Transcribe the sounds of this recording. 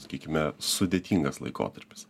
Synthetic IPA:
sɐ̥kʲiːkʲɪmʲɛsʊd̪ʲeːt̪ʲiːŋɡɐslˠɐ̰ɪko̰ːt̪ɐɾʲpʲɪ̥s

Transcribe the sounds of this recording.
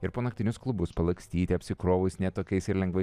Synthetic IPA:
ɪɾpoːnɐk̚t̪ʲɪnʲʊsklˠʊbʊspɐlˠɐksʲt̪ʲiːt̪ʲɪɐpʲsʲɪkɾoːʋɐɪsnʲɛt̪oːkʲɛɪsɪɾlʲɛŋɡʋɐɪ

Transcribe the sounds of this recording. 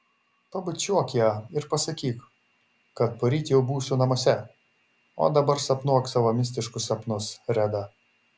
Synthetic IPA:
pɐbɐt͡ʃʲuɔkʲjɛɪɾpɐsɐkʲiːk | kɐt̪̚poɾʲiːt̪ʲjɛʊbuːsʊnɐmoɔsʲɛ | o̰ːd̪ɐbɐɾsɐpnuɔksɐlomʲɪsʲt̪ʲɪʃkʊsɐpnʊsɾʲæd̪ɐ

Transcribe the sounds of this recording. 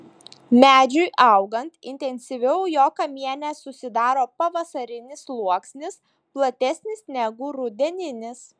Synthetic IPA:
mʲæːd͡ʒʲʊɪʔɐʊɡɐnt̪ɪ̰nʲt̪ʲɛnʲsʲɪʋʲɛʊjoːkɐmʲiɛnʲæsʊsʲɪd̪ɑːɾoːpɐʋɐsɐɾʲɪnʲɪslˠuɔksʲnʲɪs | plˠɐt̪ʲɛsʲnʲɪsnʲɛɡʊɾʊd̪ʲɛnʲɪnʲɪs

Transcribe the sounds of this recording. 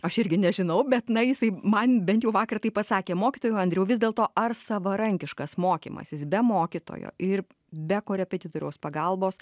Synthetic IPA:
ɐʃɪɾʲɡʲɪnʲɛʒʲɪnɐʊbʲɛt̪nɐjɪsɐɪmɐnbʲɛnt̪jɛʊʋɑːkɐrt̪ɐɪpɐssɑːkʲeːmoːkʲɪt̪oːjuɐnʲd̪ʲɾʲɛʊʋʲɪzd̪ʲeːlˠt̪oːʔɐrsɐʋɐɾɐŋʲkʲɪʃkɐsmoːkʲḭːmɐ̰sʲɪsbʲɛmoːkʲɪt̪o̰ːjo̰ːʔɪɾ | bʲɛkoːɾʲɛpʲɛt̪ʲɪt̪oːɾʲɛːspɐɡɐlˠboːs

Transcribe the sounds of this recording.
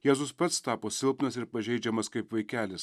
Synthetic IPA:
jæːzʊspɐt̪st̪ɑːpoːsʲɪlˠpnɐsɪɾpɐʒʲɛɪd͡ʒʲɛmɐskɐɪpʋɐɪkʲæːlʲɪs

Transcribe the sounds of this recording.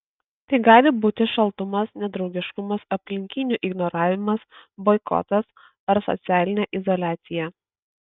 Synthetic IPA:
t̪ɐɪɡɑːlʲɪbuːt̪ʲɪʃɐlˠt̪ʊmɐsnʲɛd̪ɾɒʊɡʲɪʃkʊmɐsɐpʲlʲɪŋʲkʲɪnʲuːʔɪɡnɔɾɑːʋʲɪmɐsbɔɪkɔ̰t̪ɐs | ɐɾsɔ̰t̪sʲæːlʲɪnʲɛːʔɪzɔlʲæːt̪sʲɪjɛ

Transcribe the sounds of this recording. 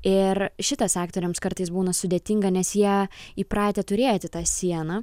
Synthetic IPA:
ɪrʃʲɪt̪ɐsɑːkt̪oːɾʲɛmskɐrt̪ɐɪsbuːnɐsʊd̪ʲeːt̪ʲɪŋɡɐnʲɛsjiɛiːpɾɑːt̪ʲet̪ʊɾʲeːjt̪ʲɪt̪ɑːsʲiɛnɐ

